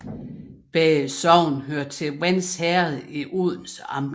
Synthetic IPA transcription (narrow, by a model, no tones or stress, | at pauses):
b̥ɛːsɒʊ̰nɦøɐ̰d̥̚t͡sʰe̝wænshæɐð̩ˠiʔoð̞ˠn̩sɑ̈mb̥